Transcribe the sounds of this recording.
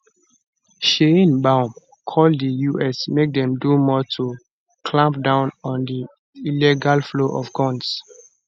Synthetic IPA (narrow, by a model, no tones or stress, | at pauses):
ʃẽnbãʊm | kʰɔldəjuʔɛsmek̚dɛ̃mdumɔtʰu | kʰlãmp̚dãʊ̃nɔ̃ndi | ilɛɡalfloʔɔfɡɔ̃ns